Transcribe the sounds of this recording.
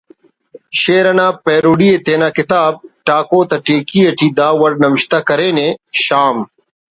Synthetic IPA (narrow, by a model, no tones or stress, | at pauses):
ɕeːɾɐnaːpeːɾuːɖiet̪eːnaːkɪt̪aːb̚ʈaːkoːt̪ɐʈeːkijɐʈid̪aːwɐɽnɐwɪɕt̪akɐɾeːneɕaːm